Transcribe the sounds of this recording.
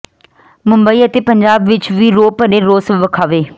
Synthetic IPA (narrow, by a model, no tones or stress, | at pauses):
mʊ̃mbəiːət̪eːpəɲd͡ʒaːbʋɪt͡ʃʋiːɾoːpəɗẽːɾoːsʋəkʰaːʋeː